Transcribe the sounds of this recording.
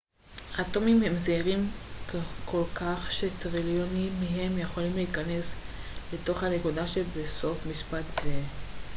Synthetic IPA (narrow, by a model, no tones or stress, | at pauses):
at̪o̞mimhemzeiʁimkkʰo̞lkaχʃe̞t̪ʁiljonimːeɦe̞mjeχo̞limleikane̞sle̞to̞χhanekud̪aʃebeso̞fmiʃpat̪z̥e̞